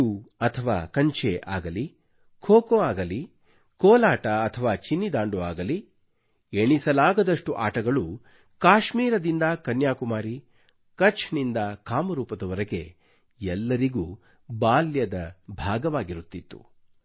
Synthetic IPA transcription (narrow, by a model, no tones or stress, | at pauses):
uɐt̪ʰɐʋaːkɐɲt͡ʃeʔaːɡɐli | kʰoːkoːaːɡɐli | koːlaːʈɐːt̪ʰɐʋaːt͡ʃinːid̪aːɳɖuaːɡɐli | eɳisɐlaːɡɐd̪ɐʂʈuʔa̰ːʈɐɡɐɭu | kaːʃmiːɾɐd̪ind̪ɐkɐnjaːkumaːɾi | kɐt͡ʃʰnind̪ɐkaːmɐɾuːpɐd̪ɐʋɐɾɐɡe̞̰ | ɛlːɐɾiɡuː | baːljɐd̪ɐbʱaːɡɐʋaːɡiɾut̪ːit̪ːu̥̰